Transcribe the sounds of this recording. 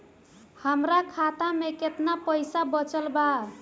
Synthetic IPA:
həmɾakʰat̪ameket̪napəjsabət͡ʃəlba

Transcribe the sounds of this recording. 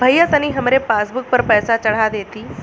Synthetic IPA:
bʱəjːat̪əniːɦəmɾepasbuk̚pəɾpəjsat͡ɕəɽ̤ad̪et̪iː

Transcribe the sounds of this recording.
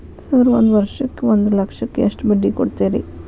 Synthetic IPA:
sɐɾʋond̪ʋɐɾʂɐkːeʋond̪ɨlɐkʂɐkːeeʂʈbɐɖːikoɽt̪ːeːɾḛ

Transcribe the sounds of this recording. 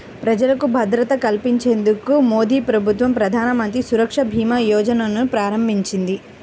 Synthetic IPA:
pɾɐd͡ʒɐlɐkubʱɐd̪ɾɐt̪ɐkɐlpiɲt͡ʃe̞ːnd̪ukumoːd̪ʱiːpɾɐbʱut̪ʋɐmpɾɐd̪ʱaːnɐmɐnt̪ɾisuɾɐkʂɐbʱiːmɐːjɔːd͡ʒɐnɐnupɾaːɾɐmbʱiɲt͡ʃind̪i

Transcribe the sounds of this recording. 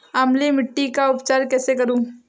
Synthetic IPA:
amlimɪʈːikaʊpt͡ʃaːɾkɛːsekɐɾũː

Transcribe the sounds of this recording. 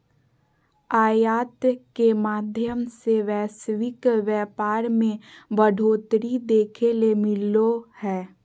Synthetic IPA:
aːjaːt̪kemaːd̪ʱjəmseʋɛːsʋɪkʋjɛːpaːɾmẽbəɖʱoːt̪ɾid̪eːkʰelemɪlohɛː

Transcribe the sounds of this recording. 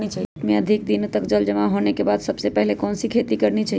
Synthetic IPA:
net͡ʃaɦimeəd̪ʱik̚d̪int̪əkd͡ʒəld͡ʒəmãɦonekebad̪səbsepɛɦlekɔnsikʰet̪ikəɾnet͡ʃʰaɦ

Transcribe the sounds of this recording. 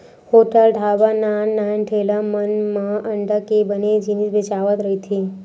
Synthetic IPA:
hoʈəlʈabanannːajnʈʰelamənmaʔəɳɖəkebəned͡ʒinisbet͡ʃaʋət̪ɾəɦit̪ʰi

